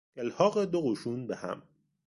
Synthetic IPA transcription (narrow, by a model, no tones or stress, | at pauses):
elhɒːɣed̪oɣuːʃuːnbehæ̰m